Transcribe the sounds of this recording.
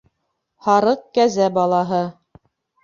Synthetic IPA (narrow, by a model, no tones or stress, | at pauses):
hɑɾɤq̚kæzæbɑlˠɑɦɤ